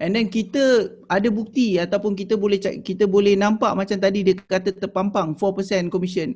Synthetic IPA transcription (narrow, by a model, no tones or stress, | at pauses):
ɛ̃ndɛnkit̪ə | adabuk̚t̪iat̪awpʊnk̬it̪əbolɛt͡ʃakit̪əbolɛhnãmpaʔmat͡ʃamt̪adidəkkat̪ət̪ərpampaŋfɔpəsɛnkɔmisiən